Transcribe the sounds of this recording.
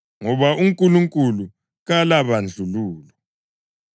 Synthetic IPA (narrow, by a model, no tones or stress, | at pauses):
ŋɔβauŋkʼuluŋkʼulu | ɣalaβand͡ɮʱuluːlɔ